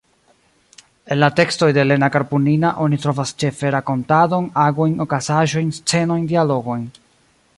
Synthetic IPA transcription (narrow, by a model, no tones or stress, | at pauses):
e̞nlate̞ksto̞jde̞le̞nakaɾpuninaʔo̞nitɾo̞vast͡ʃe̞fe̞ɾako̞ntado̞naɡojno̞kazaʒo̞jnst͡se̞no̞jndialo̞ɡo̞jn